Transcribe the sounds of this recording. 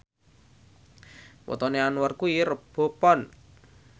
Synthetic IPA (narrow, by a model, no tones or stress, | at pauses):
wʔɔ̰t̪ɔneanwɔrkuirəb̥ɔ̤pɔn